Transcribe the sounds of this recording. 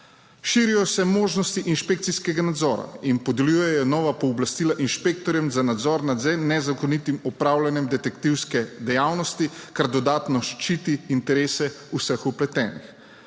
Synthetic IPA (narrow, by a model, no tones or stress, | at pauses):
ʃiːɾijɔsɛmoːʒnɔst̪iʔinʃpek̚t̪siskɛɡanad̪zɔːɾa̰inpɔd̪ɛljuːjɛjɔnɔːʋapɔːblast̪iːlaʔinʃpek̚t̪ɔɾjɛmzanad̪zɔɾnad̪zɛnɛzakɔnit̪imɔpɾawlʲanjɛmd̪ɛt̪ɛkt̪iwskɛd̪ɛjaːwnɔst̪ikaɾd̪ɔd̪aːt̪nɔʃt͡ʃit̪iːnt̪ɛɾeːsɛusəxɔplɛt̪ɛːnix